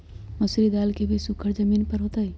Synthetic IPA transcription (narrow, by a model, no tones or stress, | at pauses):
məsɾid̪alkebʱisukʰəɾd͡ʒəminpəɾɦot̪əj